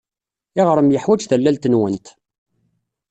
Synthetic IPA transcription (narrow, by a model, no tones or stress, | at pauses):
ɪʁɾˤəmjəħwæd͡ʒθælːælt̪ənwənt̪